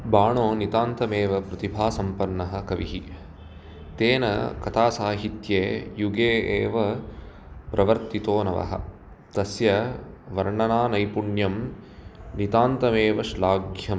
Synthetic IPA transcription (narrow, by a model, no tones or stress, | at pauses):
baːɳoːnit̪aːnt̪ɐmeːʋɐpɾɐt̪ibʱaːsɐmpɐnːɐɦɐ̆kɐʋiɦi | t̪eːnɐ̰kɐt̪ʰaːsaːɦit̪jeːjuɡeːeːʋɐ | pɾʔɐʋɐɾt̪it̪oːnɐʋɐ̰ɦɐ̰̆ | t̪ɐsjɐʋɐɾɳɐnaːnɐjpuɳjɐm | nit̪aːnt̪ɐmeːʋɐʃlaːɡjɐm